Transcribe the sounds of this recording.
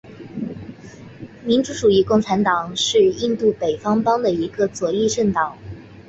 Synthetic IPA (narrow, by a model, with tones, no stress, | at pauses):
mi˧˥nʈ͡ʂu˧˥ʈ͡ʂu˨˩i˧˥kʊ˥˩ŋʈ͡ʂʰa˧˥nt̪ɑ˨˩ŋʂɻ̩˥˧i˥˧nt̪u˥˩pe˨˩ɪfɑ˥ŋpɑ˥ŋd̪ə˨i˧˥ɡə˧t͡swɔ˨˩i˥˧ʂə˥˩nt̪ɑ˨˩˦ŋ